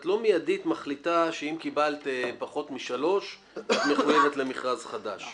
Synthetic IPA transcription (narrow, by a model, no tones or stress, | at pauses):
t̪lo̞mijaditmaχlit̪aʃeimkibalt̪paχo̞t̪miʃalo̞ʃ | at̪meχujeve̞t̪le̞miχʁazχad̪aʃ